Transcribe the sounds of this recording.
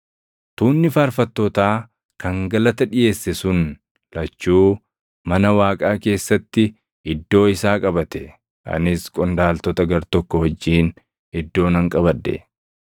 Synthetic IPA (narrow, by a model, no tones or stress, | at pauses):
t̪uːnːɪfaːɾfɐt̪ːoːt̪aː | kɐŋɡɐlɐt̪ɐᶑɪjʔe̞ːsːɛsʊn | lɐt͡ʃːuː | mɐnɐwaːkʼaːke̞ːsːɐt̪ːɪ | ɪd̪ːo̞ːɪsaːkʼɐbɐt̪ɛ̥ | ʔɐ̰nɪskʼɔnd̪aːlt̪ɔt̪ɐɡɐɾt̪ɔkːɔwɐd͡ʒːiːn | ɪd̪ːo̞ːnɐŋkʼɐβɐd̪ːɛ̰